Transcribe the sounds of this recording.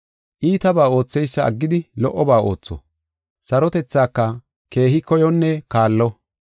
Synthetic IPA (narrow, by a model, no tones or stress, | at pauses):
ʔiːt̪ɐbaːo̞ːt͡sːɛjsːɐɐ̰ɡːɪd̪ɪlɔʔːɔbaːo̞̰ːt͡sːɔ̰ | sɐɾɔt̪ɛt͡sːaːkːɐ | ke̞ːɦɪkɔjɔnːɛkaːlːɔ